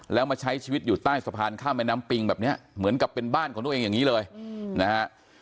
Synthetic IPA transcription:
lɛː˦˥wmaː˧t͡ɕʰa˦˥jt͡ɕʰiː˧wi˦˥t̪̚juː˨˩t̪aː˥˩jsa˧pʰaː˧nkʰaː˥˩wmɛː˦˥naː˦˥mpi˧ŋbɛː˨˩p̚ni˦˥ɐʔmɯ˩˦ənka˨˩pːe˧nbaː˥˩nkʰɔ˩˦t̪ʔeː˧ŋjaː˨˩ŋiː˦˥lɤː˧jna˦˥kʰa˦˥ʔ

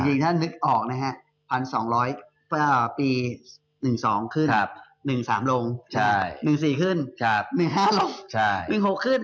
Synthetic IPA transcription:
ŋt͡ɕi˧ŋt̪ʰa˥˩nːɯ˦˥k̚ʔɔː˨˩k̚na˦˥kʰa˦˥ʔ | pʰa˧nsɔː˩˦ŋɾɔː˦˥j | pʰɯ˥˩piː˧ | nɯ˨˩ŋsɔː˩˦ŋkʰɯ˥˩˧p̚ | nɯ˨˩ŋsaː˩˦mlo˧ŋt͡ɕʰa˧˥˦jnɯ˨˩ŋsiː˨˩kʰɯ˥˩n˦˧p̚nɯ˨˩ŋɦaː˥˩lo˧ŋt͡ɕʰa˥˩jnɯ˨˩ŋɦo˨˩kʰːɯ˥˩n

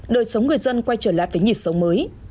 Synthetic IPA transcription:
ɗəː˨˩jsə˨˦wŋ͡mŋɨ˨˩əjzə˧nkwa˧jt͡ɕəː˧˩la̰ː˧˨jvəː˨˦jɲi˨˩p̚sə˨˦wŋ͡mməː˨˦j

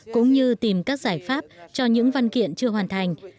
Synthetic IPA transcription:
kʊ̰˧˥ŋ͡mɲɨ˧t̪i˨˩mkaː˦˥k̚z̥aː˧˩jfaː˦˥p̚t͡ɕɔ˧ɲɨ̰˧˥ŋva˧nkḭ˧˨ənt͡ɕɨ˧əɦwaː˨˩nt̪ʰa˨˩jŋ̟

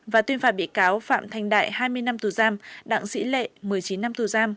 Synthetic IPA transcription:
vaː˨˩t̪wənfaː˧˩ɓḭ˧˨əkaː˨˦wfa̰ː˧˨mt̪ʰa˧˩jŋ̟ɗa̰ː˧˨jhaː˧jmɨ˧əjna˧mt̪u˨˩zaː˧mɗa̰ː˧˨ŋsḭ˧˥lḛ˧˨mɨ˨˩əjt͡ɕi˨˦nːa˧mt̪u˨˩zaː˧m

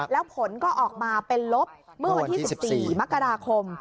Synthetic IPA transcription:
lɛː˦˥wpʰo˩˦nkɔː˥˩ʔɔː˨˩k̚maː˧pe˧nlo˦˥p̚mɯ˥ɐwa˧t̪ʰiː˥si˨˩p̚siː˨˩ma˦˥kːa˧ɾaː˧kʰo˧m

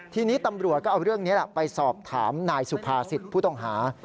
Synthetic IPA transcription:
t̪ʰiː˧niː˦˥t̪a˧mɾu˨˩ət̪̚kɔː˥˩ʔwɾɯ˥˩əŋni˦˥lɛ˨˩pa˧jsɔː˨˩p̚t̪ʰaː˩˦mnaː˧jsu˨˩pʰaː˧si˨˩t̪̚pʰuː˥˩t̪ɔ˥˩ŋɦaː˩˦

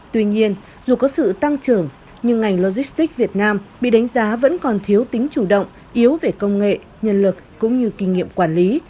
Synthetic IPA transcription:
t̪wi˧ɲi˧ən | zu˨˩kɔ˨˦sɨ̰˧˨t̪a˧ŋt͡ɕɨ˨˩əŋ | ɲɨ˧ŋːa˨˩jŋlo˧zi˦˥st̪i˦˥k̚vi˨˩ət̚naː˧mɓḭ˧˨ɗa˨˦jŋ̟zaː˨˦və̰˧˥nkɔ˨˩nt̪ʰi˨˦əwt̪ï˨˦ŋ̟t͡ɕu˧˩ɗə̰˧˨wŋ͡m | ʔi˨˦əwve˨˩kə˧wŋ͡mŋḛ˧˨ | ɲə˧nlɨ˨˩k̚ːʊ̰˧˥ŋ͡mɲɨ˧ki˧ŋḭ˧˨əmkwaː˧˩nli˨˦

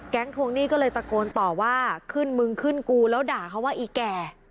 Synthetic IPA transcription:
kɛ˦˥ŋt̪ʰu˧əŋniː˥˩kɔː˥˩lɤː˧jpɾa˧koː˧nt̪ɔː˨˩waː˥˩kʰɯ˥˩nmɯ˧ŋkʰɯ˥˩nkuː˧lɛː˦˥wdaː˨˩kʰa˦˥waː˥˩ʔiː˨˩kɛː˨˩

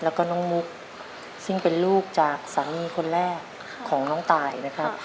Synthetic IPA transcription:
lɛː˦˥wkɔː˥˩nɔː˦˥ŋmu˦˥k̚ | sɯ˥˩ŋpe˨nluː˥˩k̚t͡ɕaː˨˩k̚saː˩˦miː˧kʰo˧nɾɛː˥˩kʰː | ɔː˩˦ŋnɔː˧˥ŋt̪aː˨˩jna˦˥kʰa˦˥p̚

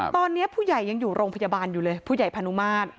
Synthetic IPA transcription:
t̪ɔː˧nːi˦˥ɐpʰuː˥˩ja˨˩jːa˧ŋjuː˨˩ɾoː˧ŋpʰjaː˧baː˧njuː˨˩lɤː˧jpʰuː˥˩ja˨˩jpʰa˧nu˦˥maː˥˩t̪̚

